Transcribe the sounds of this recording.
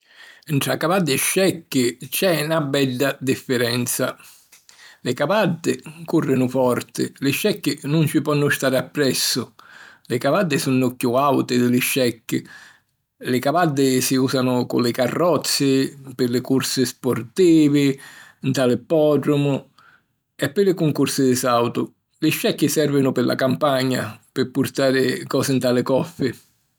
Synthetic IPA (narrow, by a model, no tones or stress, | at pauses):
nʈ̪ɾakavad̪ːɪʃːɛkːɪt͡ʃɛnabɛɖːad̪ifːɪɾɛnt̪sa | lɪkavad̪ːɪkurːɪnʊfɔrt̪ɪ̰lɪʃːɛkːɪnʊnt͡ʃɪpɔnːʊst̪aːɾɪapːɾɛsːʊlɪkavad̪ːɪsunːʊkjuawt̪ɪd̪ɪlɪʃɛkːɪ | lɪkavad̪ːɪsiuːsanʊkʊ̰lɪkarːɔt̪sːɪpɪlɪkuɾsɪspʊrt̪iːvɪnt̪alɪpɔɖɾʊmʊ | ɛpːɪlɪkʊŋkuɾsɪd̪ɪsawt̪ʊ | lɪʃːɛkːɪsɛrvɪnʊpɪlʔa̰kampaɲːa̰pɪpːʊɾt̪aːɾɪkɔːsɪnt̪alɪkɔfːɪ